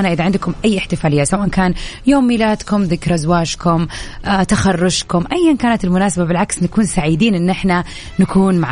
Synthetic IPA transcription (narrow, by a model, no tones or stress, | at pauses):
anaʔɪðaʕɪnd̪kʊmʔajːʔɪħt̪ɪfaːlɪjːasawaːʔankaːnjoːmːiːlaːd̪kʊmðɪkɾˤazwaːʃkʊmt̪axɑrˤːʊʃkʊmʔajːankaːnat̪ɪlmʊnaːsababɪlʕaksnakuːnsaʕiːd̪iːnʔɪnːʔɪħna | nakuːnmaʕ